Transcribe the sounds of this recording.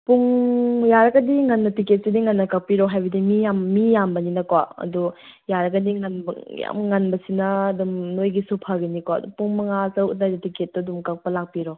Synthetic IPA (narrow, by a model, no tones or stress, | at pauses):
puŋjaɾɐɡɐdiŋanːɐtiket̚sidiŋanːɐkak̚piɾɔɦajbɐdimijamːijambɐninɐkwaɐ̰dujaɾɐɡɐdiŋanbja̰mŋanbɐsinɐːdumnojɡisupʰaɡinikwaɐ̰dṵpuŋmɐŋasɐukdadtiket̚ːɐdumkak̚pɐlak̚piɾɔ